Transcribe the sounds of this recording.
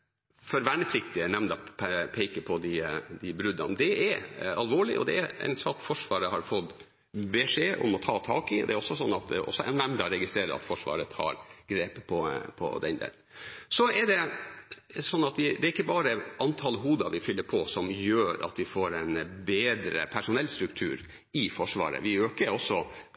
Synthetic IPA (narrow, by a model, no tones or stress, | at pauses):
fɔɾʋæɳəpʰlɪkt̪ɪənɛmd̪ɑppʰɛɪkəpʰɔd̪ɪd̪ɪbɾʉd̪ɑ̰nd̪ɛʔɛɾɑlʋoːɭɪ̰ʔɔ̰d̪ɛæɾɛ̰ɪnsɑːkfɔʂʋɑːɾəɦɑɾfɔt̪ː | bɛʂeːʔɔ̰mɔt̪ʰɑːt̪ʰɑːkɪd̪ɛæɾɔsːɔsɔnːɑt̪ɔ̰sːɔɛ̰nnɛmnd̪ɑɾɛɡɪst̪ɾeːɾə̰ɾɑ̰t̪fɔʂʋɑ̰ːɾət̪ʰɑ̰ːɾɡɾeːppʰɔpʰɔ̰d̪ɛ̰nd̪ḛsɔɛɖɛ | sɔnːɑt̪ʋɪd̪ɛæɾɪkːəbɑːɾəʔɑnt̪ʰɑlɦuːd̪ɑʋɪfʏlːəɾpʰɔsɔmjøːɾɑ̰t̪ʋɪfoːɾɛɪnbeːd̪ɾə̰pʰæʂʊnɛlst̪ɾʉkt̪ʰʉ̰ːɾ | ɪfɔʂʋɑ̰ːɾə̰ʋɪøːkəɾɔsɔ